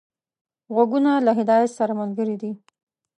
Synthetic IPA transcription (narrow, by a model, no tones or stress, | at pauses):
ɣwaɡunalaɦɪd̪ɑjat̪saɾamalɡəɾid̪i